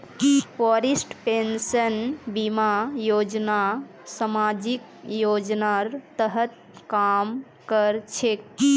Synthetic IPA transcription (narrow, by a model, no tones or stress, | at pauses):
fɔɾisʈpensənbimajod͡ʒna | samad͡ʒik | jod͡ʒnaɾt̪əɦət̪̚ | kam | kəɾt͡ʃʰek